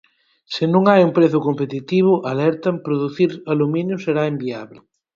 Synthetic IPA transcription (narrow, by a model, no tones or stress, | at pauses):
sɪnũŋajumpɾeθʊkompet̪it̪iβ̞ʊʔɐlɛɾt̪ɐmpɾoðuθiɾɐlumĩnjʊseɾaembiaβlɪ